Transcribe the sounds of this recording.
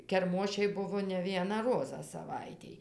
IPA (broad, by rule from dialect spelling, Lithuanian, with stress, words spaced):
kʲɛrˈmoːʃʲɛɪ ˈbʊʋoː nʲɛ ˈʋʲiɛnɑː ˈroːzɑː sɐˈʋɐɪtʲeːj